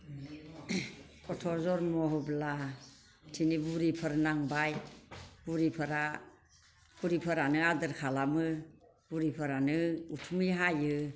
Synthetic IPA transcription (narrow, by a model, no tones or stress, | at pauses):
kʰɔtʰɔzɔɾmɔɦɔbla | tʰinibuɾipʰəɾnaŋbajb̥uɾipʰɯɾa | b̥uɾipʰəɾanɯadɯɾkʰalamɯ | buɾipʰəɾanɯutʰumijɦajɯ